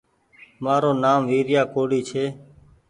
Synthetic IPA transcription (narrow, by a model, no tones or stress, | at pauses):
maːɾoːnaːmʋiːɾjaːkoːɽiːt͡ʃʰeː